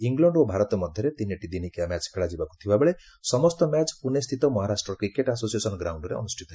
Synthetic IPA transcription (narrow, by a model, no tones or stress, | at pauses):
iŋɡlɔɳɖobʱaɾɔt̪ɔmʌd̪ʱjʌɾet̪ineʈid̪inikiamat͡ʃkʰeɭad͡ʒibaku̥t̪ʰibabeɭe | sʌmɔst̪ɔmat͡ʃpunest̪ʰit̪ɔmɔɦaɾasʈɾɔkɾikeʈasosiesɔnɡɾawɳɖɾḛʌ̰nusʈʰi̥t̪ɔɦe